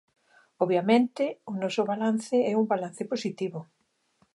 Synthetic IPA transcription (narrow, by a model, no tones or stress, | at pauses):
ɔβjamẽnt̪ɪʊnɔsʊβalanθɪɛumbalan̟θɪposit̪iβʊ